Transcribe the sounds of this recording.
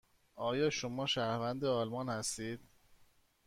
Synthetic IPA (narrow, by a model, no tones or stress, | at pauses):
ɒːjɒːʃomɒːʃæɾvænd̪eɒːlmɒːnhæst̪iːd̪̥